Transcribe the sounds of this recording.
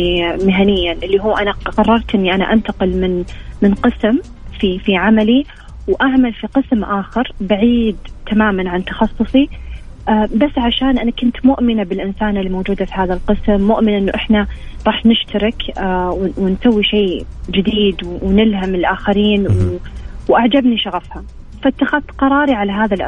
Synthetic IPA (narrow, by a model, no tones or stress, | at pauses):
mɪɦanɪjːanʔɪlːiɦuːʔanaqɑrˤːɑɾˤt̪ʔɪnːiʔana̰ʔant̪aqɪlmɪnmɪnqɨsm | fifiʕamali | wʔaʕmalfiqɨsmʔaːxɑɾbaʕiːd̪t̪ʰamaːmanʕant̪ɑ̥xɑsˤːʊsˤi | ʔbasːʕaʃaːnʔanakʊnt̪mʊʔmɪnabɪlʔɪnsaːnɪlːimoːd͡ʒuːd̪afiɦaːðalqɨsmːʊʔmɪnʔɪnːuʔɪħnaɾˤɑːħnɪʃt̪aɾɪkwwɪnsawːiʃeːd͡ʒɪd̪iːd̪wwnɪlɦamɪlʔaːxaɾiːnwwʔaʕd͡ʒabniʃaɣafha | fat̪ːaxaðqɑɾˤɑːɾiʕalaɦaːðalʔ